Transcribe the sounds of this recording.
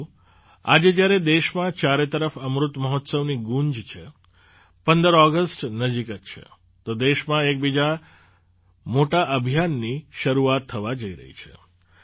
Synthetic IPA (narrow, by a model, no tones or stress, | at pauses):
a̰d͡ʒed͡ʒjaɾed̪eʃmãt͡ʃaɾet̪əɾəfəmɾut̪məɦɔt̪səʋniɡũɲd͡ʒt͡ʃʰe | pənd̪əɾɔɡəsʈnəd͡ʒikət̪t͡ʃʰḛ | t̪od̪eʃmãek̚bid͡ʒa | moʈaʔəbʱijanːiʃəɾuat̪ʰːəʋad͡ʒəiɾə̰ɦḭt͡ʃʰḛ